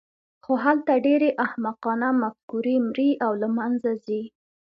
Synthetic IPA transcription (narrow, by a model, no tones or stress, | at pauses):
xoɦalt̪aɖeɾeʔahmaqɑnamafkuɾimɾiʔawlamanzazi